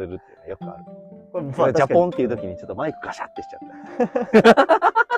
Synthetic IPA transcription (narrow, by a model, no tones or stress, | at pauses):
eɾɯt̪ːe̥jnjokɯa̰ɾɯ | d͡ʑapõnt̪eiɯ̟t̪o̞kʲiɲ̟it͡ɕo̞t̪ːomaikɯ̥ɡaɕat̪ːekʲi̥t͡ɕat̪ːa